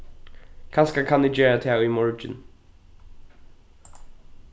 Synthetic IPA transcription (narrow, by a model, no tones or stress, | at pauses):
kʰanskakʰanɪd͡ʒɛːɹat̪ʰɪawimɔɹd͡ʒɪ̰n